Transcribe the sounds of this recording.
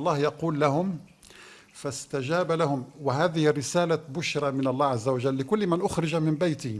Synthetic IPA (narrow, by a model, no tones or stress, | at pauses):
lˤːɑːhjɑquːlːahʊm | fast̪ad͡ʒaːbalahʊmwɪɦaːðɪhɪrːɪsaːlabʊʃɾˤɑmɪnɑlˤːɑːʕazːawaʒalːɪkʊlːmanʔʊxɾɪd͡ʒamɪmbajt̪i